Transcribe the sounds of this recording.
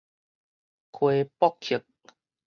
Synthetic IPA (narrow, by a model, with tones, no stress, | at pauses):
kʰwe˧pɔ˦kkʰi˨˩˦k̚